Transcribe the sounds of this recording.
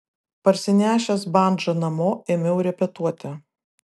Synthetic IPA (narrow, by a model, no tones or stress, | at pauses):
pɐɾʲsʲɪnʲæːʃʲɛsbɑˑnd͡ʒɐnɐmoːeːmʲɛʊɾʲɛpʲɛt̪uɔt̪ʲɪ